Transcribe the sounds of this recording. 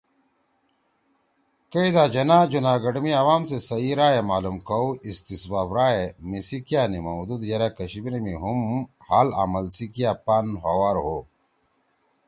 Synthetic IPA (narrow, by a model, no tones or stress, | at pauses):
kɐid̪aːd͡ʑɐnaːd͡ʑunaːɡɐɖmiɐwaːmsesɐiɾaːjemaːlumkɐwist̪isbaːbɾaːemisikijaːnimɐwd̪ud̪jɐɾakɐɕibinemiɦumhaːla̰mɐlsikijaːpanɦɐwaɾɦo